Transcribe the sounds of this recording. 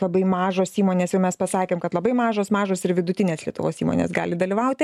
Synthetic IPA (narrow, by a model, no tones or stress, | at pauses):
lˠɐbɐɪmɑːʒoːsiːmoːnʲeːsjɛʊmʲɛspɐsɑːkʲeːmkɐt̪lˠɐbɐɪmɑːʒoːsmɑːʒoːsɪɾʋʲɪd̪ʊt̪ʲɪnʲeːslʲiɛt̪ʊʋo̰ːsḭːmo̰ːnʲḛsɡɑ̰ːlʲɪd̪ɐlʲiʋɐʊt̪ʲɪ